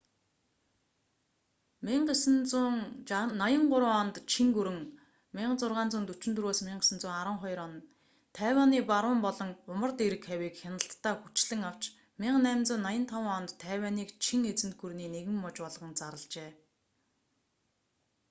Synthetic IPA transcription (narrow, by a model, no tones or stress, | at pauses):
miɴɢes̆nt͡suːŋnajə̆ŋɢʊɾə̆ɔnt̪t͡ɕʰiŋɡuɾɘ̆ŋ | mɪɴɢt͡sʊrʁaːnt͡suːnt̪ut͡ɕɪ̆nt̪ɵrwoːsmɪɴɢesə̆nt͡sʊːŋaɾə̆ɴχɔj̆ɾɔn | t̪ʰːæːwʲaːniːpaɾʊ̆ːmpɔɮɞ̆ŋʊmə̆rt̪eɾɘ̆kxæwiːkxʲanə̆ɬt̪ʰːaːxut͡ɕɮɘ̆ŋaw̥t͡ɕ | mɪɴɢnæmt͡sʊ̆nːajə̆nt̪ʰawəɔnt̪ʰːæːwaːniːkt͡ɕʰiŋet͡sɘ̆nt̪̚ɡuɾniːneɣɘ̆mːɔt͡ɕpɔɮʁə̆nt͡saɾə̆ɮt͡ɕeː